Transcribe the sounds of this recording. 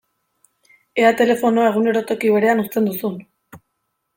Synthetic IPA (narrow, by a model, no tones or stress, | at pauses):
e̞at̪e̞le̞fo̞noae̞ɣ̞une̞ɾo̞t̪o̞kiβ̞e̞ɾe̞anust̪e̞nd̪usun